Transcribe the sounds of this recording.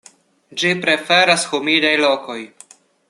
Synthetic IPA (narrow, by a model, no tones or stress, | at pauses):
d͡ʒipɾe̞fe̞ɾasxumidajloko̞j